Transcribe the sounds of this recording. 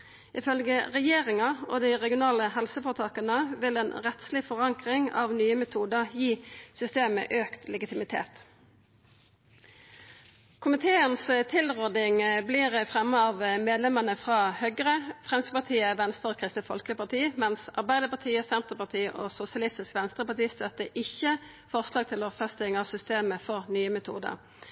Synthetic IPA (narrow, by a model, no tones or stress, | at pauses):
ʔɪfœlɡəʁɛjeːʁɪŋɑɔ̰d̪iʁɛɡɪʊnɑːləhɛlsəfɔːʁt̪ʰɑːkɑnəʋɪlɛːnʁɛt̪slɪfɔʁɑŋkʁɪŋɑ̰ːʋnyːəmɛt̪ʰuːd̪əʁjiːsʏst̪eːmə̰ʔøːkt̪ʰlɛɡɪt̪ɪmɪt̪ʰḛːt̪ | kʰʊmɪt̪ʰeːənst̪ʰɪlʁɔd̪ɪŋbliːʁəfʁɛmːəɑːʋmeːd̪lɛmənəfʁɑːhœɡəʁəfʁɛmsəpɑt̪ʰiːəʋɛnst̪əʁokʰʁɪst̪əfɔlkəpɑʁt̪ʰiːmɛnsɑʁbæɪd̪əpɑʁt̪ʰiːəsɛnt̪ʁəpɑʁt̪ʰiːəʔosʊsɪɑlɪst̪ɪskʋɛnst̪ʁəpɑt̪iːst̪œt̪əʔɪçə | fɔʁslɑːɡ̚t̪ʰɪlɔfɛst̪ɪŋɑʋsʏst̪eːməfɔʁnyːəmɛt̪ʰṵːd̪ə̰ʁ